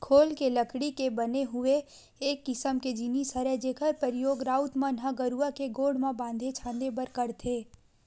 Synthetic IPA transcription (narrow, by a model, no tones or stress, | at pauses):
kʰoːlkeləkɽikebɐneɦʊeː | kːɪsəmked͡ʒinisəɾɛd͡ʒeːkʰəɾpəɾɪjoːɡɾaːʊt̪mãnɦaɡəɾuakeɡoːɽmãbãːnd̪ʱet͡ʃʰãːnd̪ebəɾkəɾt̪ʰeː